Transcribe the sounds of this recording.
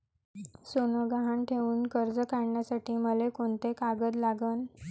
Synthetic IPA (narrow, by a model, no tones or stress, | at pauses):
sonəɡaɦaɳʈʰeʋuːnkəɾd͡zəkaɽɳjasaʈiːməlekoɳt̪ekaɡəd͡zlaɡən